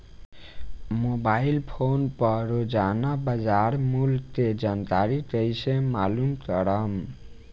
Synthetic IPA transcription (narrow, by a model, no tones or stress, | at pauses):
mobailpʰonpəɾod͡ʒanabəd͡ʒaɾmult̪ed͡ʒant̪aɾit̪əjsemalumkəɾəm